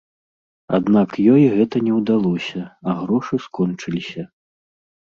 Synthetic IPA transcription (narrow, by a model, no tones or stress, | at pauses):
a̰d̪nakjɔjɣɛt̪ɐnʲɛwd̪alˠɔsʲɐɐɣɾɔʂɨskɔnt͡ʂɨlʲisʲɐ